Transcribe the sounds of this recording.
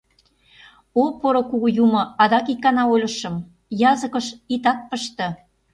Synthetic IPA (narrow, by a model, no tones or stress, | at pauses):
opoɾŏkuɣujumɤ̆ɑd̪ɑkikːɑnɑolʲə̆ʃə̆m | jɑzə̆kɤ̆ʃit̪ɑt̪̚pəʃt̪ɤ̆